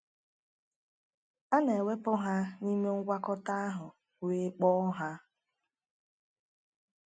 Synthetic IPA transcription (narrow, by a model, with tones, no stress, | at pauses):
a˦ne˨we˦pʊ˦ɦa˦ni˦me˦ŋ̩˦ɡʷa˦kɔ˦ta˦a˦ɦʊ˨ | we˦k͡pɔ˦ɦa˦